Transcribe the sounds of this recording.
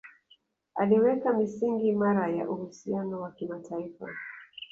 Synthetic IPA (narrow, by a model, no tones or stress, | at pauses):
aliwɛkamisiŋɡimaɾaja̰ʔuhusianɔwakimatʰaifa̰